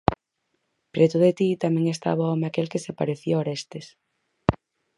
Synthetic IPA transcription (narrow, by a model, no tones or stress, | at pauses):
pɾʔet̪uðet̪it̪amẽŋest̪a̰βoɔmeakelkesepa̰ɾeθjooɾest̪es